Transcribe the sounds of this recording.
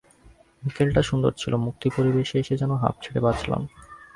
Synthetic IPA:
mikelʈaʃund̪o̰ɾt͡ɕʰilomuk̚t̪ipoɾibeʃeeʃed͡ʑɛnoɦa̰p̚t͡ɕʰeɽebat͡ɕʰla̰n

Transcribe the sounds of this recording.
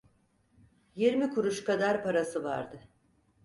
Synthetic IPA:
jiɾmikʰuɾuʃkad̪aɾpaɾasɯva̰ɾd̪ɯ

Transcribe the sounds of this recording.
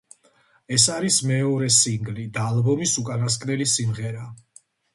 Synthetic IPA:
ɛsaɾismɛɔɾɛsiŋɡlid̪aːlˠbɔmisukʼanas̬kʼnɛlisimʁɛɾa

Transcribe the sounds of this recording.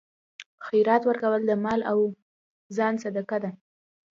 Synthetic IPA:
xajɾɑt̪wəɾkawəld̪əmɑlaw | zɑnsad̪akad̪a

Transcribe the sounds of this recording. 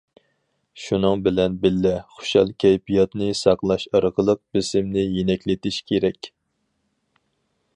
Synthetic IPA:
ʃunɨŋbɪlɛnbɪlːɛχo̥ʃɑlˠkʲʰɛjpijɑt̪nɨsɑqlˠɑʃɑɾəqəlˠəq̚bɪsɪmnɪjenɛkʲlɪt̪ɪʃkʲʰeɾɛkʲ

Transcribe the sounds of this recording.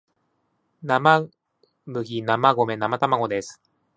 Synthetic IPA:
nama | mɯ̟ɡʲinamaɡo̞me̞namat̪amaɡo̞d̪esɨ̥

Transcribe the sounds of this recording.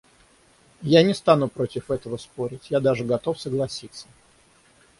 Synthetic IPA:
janʲɪst̪anʊpɾo̞tʲɪfɛt̪əvəspoɾʲɪtʲjad̪aʐɨɡɐt̪o̞fsəɡlˠɐsʲit̪sə̥

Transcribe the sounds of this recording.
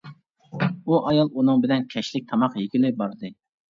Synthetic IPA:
uʔɑjɑlˠunɨŋbɪnɛnkʲʰɛʃlɪk̚ʲt̪ʰɑmɑqjikʲilɪbɑɾd̪ɨ

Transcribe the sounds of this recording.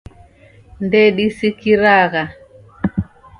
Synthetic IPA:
ndɛɗisikiɾaɣa

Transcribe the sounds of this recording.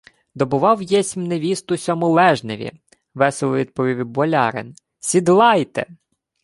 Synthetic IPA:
d̪ɔbʊʋɑwjɛsʲmneʋʲist̪ʊsʲɔmʊlˠɛʒneʋʲḭ | ʋɛselˠɔʋʲid̪̚pɔʋʲiʋʲibɔlʲɑ̰ɾɪ̰n | sʲid̪lˠɑjt̪ḛ

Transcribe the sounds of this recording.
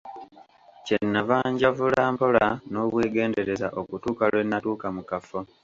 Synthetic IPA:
cenːavaːɲɟavulaːmpo̞lano̞ːβweːɡe̞ːnde̞ɾe̞zaʔo̞kutuːkalwenːatuːkamukafo

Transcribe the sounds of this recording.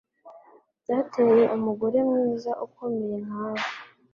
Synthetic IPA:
datʰejeʔumuɡoɾe̞mŋiːzaʔukomejenaːɡa

